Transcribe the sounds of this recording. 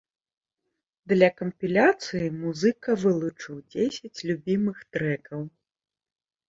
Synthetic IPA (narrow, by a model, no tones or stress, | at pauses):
d̪lʲɐkɐmpʲilʲat̪sɨjimuzɨkɐvɨlˠut͡ʂɨwd͡zʲesʲɐt͡sʲlʲubʲimɨxt̪ɾɛkɐw